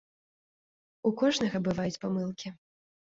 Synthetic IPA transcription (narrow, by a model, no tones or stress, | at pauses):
ukɔʐnɐɣɐbɨvajut͡sʲpamɨlˠkʲi